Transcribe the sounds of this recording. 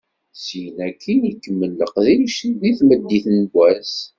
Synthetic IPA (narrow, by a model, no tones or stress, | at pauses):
sinækʰːiikːəmːəlːəqðiʃiðiθməd̪ːiθnɡʷæs